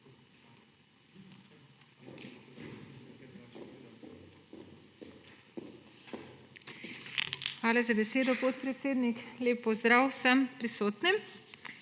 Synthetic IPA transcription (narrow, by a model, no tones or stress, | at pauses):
xʋaːlazabɛseːd̪ɔpɔt̪pɾɛt̪seːd̪nikleːpːɔzd̪ɾaːwsəmpɾisoːt̪nim